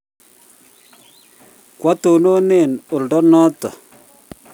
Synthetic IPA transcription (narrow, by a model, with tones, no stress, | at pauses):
kwa˦t̪o˨no˦ne˦˨no˨ldɔ˦nɔ˦t̪ɔ˨